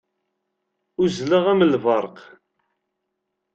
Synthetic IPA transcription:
ʊzləʁæməlvɑɾˤq

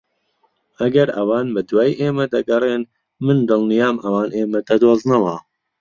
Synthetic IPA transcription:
ɐɡɐɾɐwaːnbɨd̪waːjʔeːmɛd̪ɐɡɐɾeːn | mɨnd̪ɨlnijaːmɐwaːneːmɛd̪ɐd̪oːznɐwaː

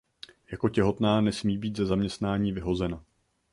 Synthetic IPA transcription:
jako̞cɛɦo̞t̪naːnɛsmiːbiːt̪zɛzamɲɛst̪naːɲiːvɪɦo̞zɛna

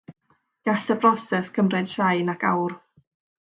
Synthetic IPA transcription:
ɡ̥aɬəbrɔsɛskʰəmrɛd̥ʃajnakʰa̰wr

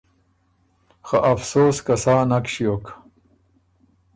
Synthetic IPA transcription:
xaʔɐfsoːskɐsaːnɐkɕijok

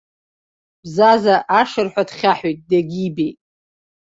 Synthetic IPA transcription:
bzazaʔaʂɨrħʷadχʲaħojt̚ʼdaɡʲibejtʼ

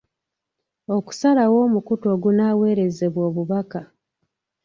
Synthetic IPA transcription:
o̞ku̥salawo̞ːmukuto̞ːɡunaːwe̞ːɾe̞ze̞βwo̞ːβuβaka

